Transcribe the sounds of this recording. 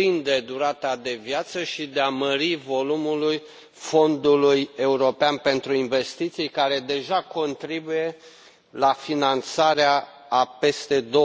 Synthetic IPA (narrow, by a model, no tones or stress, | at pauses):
ind̪e̞d̪uɾat̪ad̪e̞vjat̪səʃid̪eaməɾivo̞lumuluj | fo̞nd̪uluje̞uɾo̞peanpe̞nt̪ɾuinve̞st̪it̪sijkaɾe̞d̪e̞ʒako̞nt̪ɾibuje̞ | lafinant̪saɾeaː | pe̞st̪e̞d̪o